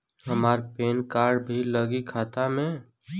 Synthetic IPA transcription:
ɦəmaːɾpeːnkaːɾɖbʱiləɡikʰaːt̪amẽ

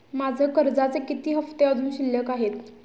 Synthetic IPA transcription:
mad͡zʱəkəɾd͡zat͡sekit̪iːɦəft̪eəd̪ʱuːnɕiljəkaɦet̪

